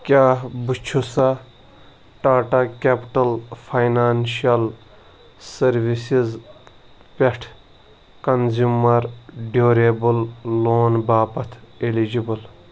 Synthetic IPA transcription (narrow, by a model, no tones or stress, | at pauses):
kʲaːbut͡ʃʰusa | ʈaːʈakʲepʈɐlfʰajnaːnʃɐl | sɐɾʋisiz | pʲeʈʰ | kɐnzumɐɾɖoːɾebullːoːnbaːpɐt̪ʰelid͡ʒibɨl